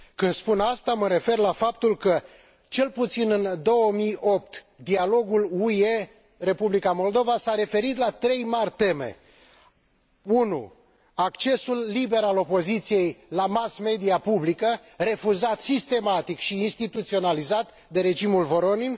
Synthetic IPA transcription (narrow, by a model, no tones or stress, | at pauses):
kɨnd̪spunast̪aməɾe̞fe̞rlafap̚t̪ulkə | t͡ʃe̞lput̪sinɨnd̪o̞wəmijo̞p̚t̪ | d̪ialo̞ɡuluje | re̞publikamo̞ld̪o̞vasaɾe̞fe̞ɾit̪lat̪ɾe̞jmarʲt̪e̞me̞̰ | unṵ | akt͡ʃe̞sulːibe̞ɾalo̞po̞zit̪sije̞jlamasme̞d̪iapublikəre̞fuzat̪sist̪e̞mat̪ikʃiːnst̪it̪ut̪sio̞nalizat̪ | d̪e̞ɾe̞d͡ʒimulvo̞ɾonin